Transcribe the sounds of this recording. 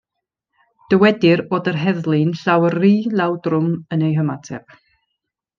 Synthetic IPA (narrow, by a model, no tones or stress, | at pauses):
d̥əwɛdɪɾoːdərɦɛðlˠɨnsawərriːlˠawdrʊmənejɦəmatʰɛ̰p